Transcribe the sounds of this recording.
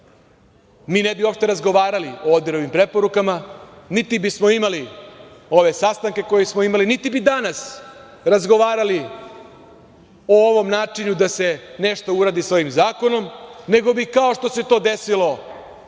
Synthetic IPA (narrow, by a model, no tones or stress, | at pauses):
miːnebiopʃt̪e̞ɾazɡo̞ʋaːɾaliood̪iɾoʋimpɾe̞po̞ɾukamanit̪ibismo̞imali | o̞ʋe̞sast̪aŋke̞ko̞jismo̞imalinit̪ibid̪anas | ɾazɡo̞ʋaːɾali | ooʋo̞mnaːt͡ʂiɲud̪ase̞neʂt̪o̞uɾad̪isʋo̞jimzaːko̞no̞mne̞ɡo̞bikao̞ʂt̪o̞se̞t̪o̞ːd̪esilo̞